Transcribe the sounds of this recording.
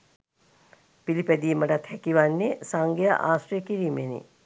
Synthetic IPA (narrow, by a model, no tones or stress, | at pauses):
pilipæd̪iːməʈat̪hækiʋanːesaŋɡejə̰ʔaːsrijəkiɾiːmenḭ